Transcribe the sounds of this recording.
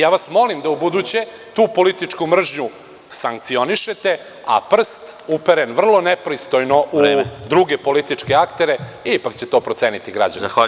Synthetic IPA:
jaːʋasmo̞limd̪aubud̪ut͡ɕe | t̪uːpo̞lit̪it͡ʂkumr̩ʒɲu | saŋk̚t̪sio̞niʃet̪e̞ | a̰pr̩st̪upeɾenʋr̩lˠo̞nepɾist̪ojnoʔud̪ɾuɡe̞po̞lit̪it͡ʂke̞akt̪eɾeipakt͡ɕet̪o̞ːpɾot̪seːnit̪iɡɾa̰d͡ʑa̰ni

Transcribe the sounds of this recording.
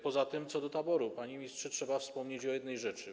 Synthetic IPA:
pɔzat̪ɘmt̪sɔd̪ɔt̪abɔɾupaɲimʲistʂɛtʂɛbafspɔmɲet͡ɕɔjɛd̪nɛjʐɛt͡ʂɘ

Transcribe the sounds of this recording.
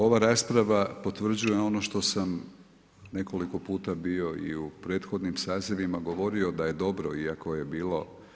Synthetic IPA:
o̞ʋaɾaːspɾaʋapo̞t̪ʋr̩d͡ʑujeo̞no̞ʃt̪o̞sam | ne̞ko̞liko̞puːt̪abio̞ḭupɾe̞t̪xo̞d̪nimsaːzeʋimaɡoʋo̞ɾio̞d̪aje̞d̪o̞bɾo̞iako̞je̞biːlˠo̞

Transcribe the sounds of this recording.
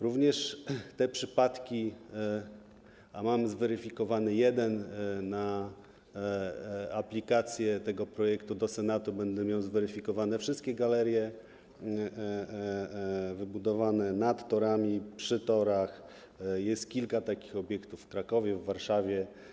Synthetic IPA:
ɾuvɲɛʂt̪ɛpʂɘpat̪kʲi | amamzvɛɾɘfʲikɔvanɘjɛd̪ɛnːa | aplʲikat̪sʲjɛt̪ɛɡɔpɾɔjɛkt̪ud̪ɔsɛnat̪ubɛnd̪ɛmʲjawzvɛɾɘfʲikɔvanɛfʂɘst̪̚kʲɛɡalɛɾjɛ | vɘbud̪ɔvanɛnat̪ːɔɾamʲipʂɘt̪ɔɾax | jɛst̪̚kʲilkat̪akʲi̥xɔbʲjɛkt̪uffːkɾakɔvʲjɛvːaɾʂavʲjɛ

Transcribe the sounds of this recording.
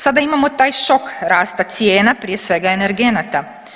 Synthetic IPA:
sad̪aimamot̪aːjʃokɾaːst̪at̪sjeːnapɾijesʋeɡaeneɾɡenat̪a

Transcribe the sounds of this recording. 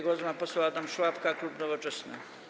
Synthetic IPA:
ɡwɔzmapɔsaat̪amʂwapkaklupnɔvɔt͡ʂɛsnɛ̰

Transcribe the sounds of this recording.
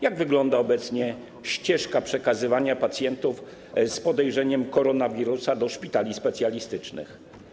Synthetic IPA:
jaɡvɘɡlɔnd̪aɔbɛt̪sɲɛ | ɕt͡ɕɛʂkapʂɛkazɘvaɲapat̪sʲjɛnt̪uf | spɔd̪ɛjʐɛɲɛmkɔɾɔnavʲiɾusad̪ɔʂpʲit̪alʲispɛt̪sʲjalʲist̪ɘt͡ʂnɘ̰x

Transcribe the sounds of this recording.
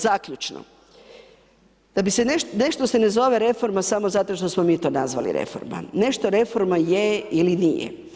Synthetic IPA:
zakʎut͡ʃno̰ | d̪̥abisenene̞ʃt̪ose̞nezo̞ʋe̞ɾe̞fo̞ɾmasamo̞zat̪o̞ʃt̪o̞smo̞miːt̪o̞ːnazʋa̰lḭɾe̞̰fo̰ɾma̰ne̞ʃt̪oɾe̞fo̞ɾmajeilinijḛ

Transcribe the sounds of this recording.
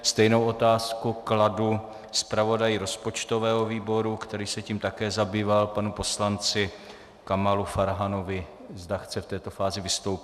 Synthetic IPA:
st̪ɛjno̞wʔo̞t̪aːskukladu | spɾavo̞dajɪɾo̞spo̞t͡ʃt̪o̞vɛːɦo̞viːbo̞ɾukt̪ɛɾiːsɛciːmt̪akɛːzabiːvalpanupo̞slant͡sɪ | kamalufaɾɦano̞vɪ | zdaxt͡sɛft̪ɛːt̪o̞faːzɪvɪst̪owpɪ

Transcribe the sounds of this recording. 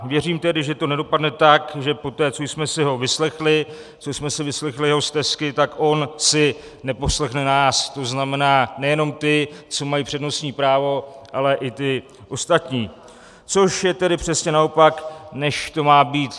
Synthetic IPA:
vjɛriːmt̪ɛdɪʒɛt̪o̞nɛdo̞padnɛt̪akʒɛpo̞t̪ɛːt͡so̞jsmɛsɪɦo̞vɪslɛxlɪ | t͡sojsmɛsɪvɪslɛxlɪjɛɦo̞st̪ɛskɪt̪akʔo̞nsɪ | nɛpo̞slɛxnɛnaːst̪o̞znamɛnaːnɛjɛno̞mt̪ɪt͡so̞majiːpr̥ɛdno̞sɲiːpɾaːvo̞ʔalɛʔɪt̪ɪ | ʔo̞st̪at̪ɲiː | t͡so̞ʃjɛt̪ɛdɪpr̝̥ɛsɲɛnao̞paknɛʃt̪o̞maːbiːt̪

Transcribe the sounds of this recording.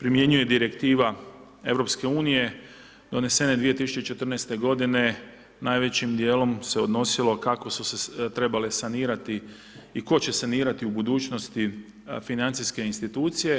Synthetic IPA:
pɾimje̞ɲuje̞d̪iɾe̞kt̪iːʋa | e̞ʋɾo̞pske̞uːnije̞ | d̪̥o̞ne̞se̞ned̪ʋije̞t̪isu̥t͡ʃet͡ʃe̞t̪r̩nɛst̪eɡo̞d̪ine̞ | najʋe̞t͡ɕimd̪jeːlo̞mse̞o̞d̪no̞silo̞kako̞suset̪ɾe̞balesaniːɾat̪i | iko̞t͡ɕe̞saniːɾat̪iubud̪uːt͡ʃno̞st̪i | finant̪siske̞inst̪it̪uːt̪sije̞

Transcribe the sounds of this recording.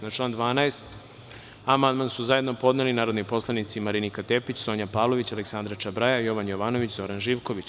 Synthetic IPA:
nat͡ʃlaːnd̪ʋaːnaest̪ | amand̪mansuzajed̪no̞po̞d̪nelinaːɾo̞d̪nipo̞slˠanit̪simaɾinikat̪epit͡ɕso̞ːɲapaːʋlˠo̞ʋit͡ɕaleksand̪ɾat͡ʃabɾajajo̞ʋanjo̞ʋano̞ʋit͡ɕzo̞ɾanʒiːʋkoʋit͡ɕ

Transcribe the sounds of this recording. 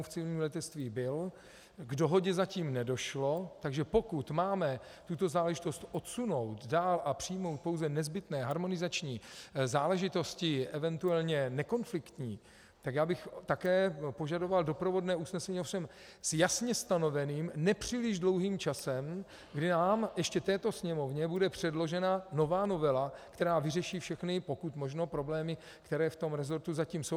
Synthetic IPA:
uft͡sɪlɲiːmlɛt̪ɛt͡st̪viːbɪl | ɡdo̞ɦo̞ɟɛzaciːmnɛdo̞ʃlo̞t̪aɡʒɛpo̞kut̪maːmɛt̪ut̪o̞zaːlɛʒɪt̪o̞st̪ʔo̞t̪suno̞wt̪daːlʔapr̝̥ɪjmo̞wt̪̚po̞wzɛnɛzbɪt̪nɛːɦaɾmo̞nɪzat͡ʃɲiːzaːlɛʒɪt̪o̞scɪʔɛvɛnt̪uɛlɲɛnɛko̞nflɪkt̪ɲiː | t̪akjaːbɪxt̪akɛːpo̞ʒado̞valdo̞pɾovo̞dnɛːusnɛsɛɲiːofʃɛm | sjasɲɛst̪ano̞vɛniːmnɛpr̝̥iːlɪʒdlo̞wɦiːmt͡ʃasɛm | ɡdɪnaːmjɛʃcɛt̪ɛːt̪o̞sɲɛmo̞vɲɛbudɛpr̝̥ɛdlo̞ʒɛnano̞vaːno̞vɛlakt̪ɛɾaːvɪrɛʃiːfʃɛxnɪpo̞kut̪mo̞ʒnopɾo̞blɛːmɪ | kt̪ɛɾɛːft̪o̞mɾɛzo̞ɾt̪uzaciːmsow

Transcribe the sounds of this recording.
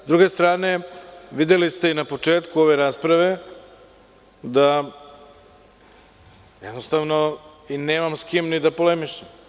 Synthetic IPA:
zd̪ɾuɡe̞st̪ɾaːne̞ʋid̪elist̪e̞inapo̞t͡ʂe̞ːt̪kuo̞ʋe̞ɾaːspɾaʋe̞ | d̪a | jɛd̪nost̪aʋno̞ineːmamskimnid̪apo̞lemiʃem

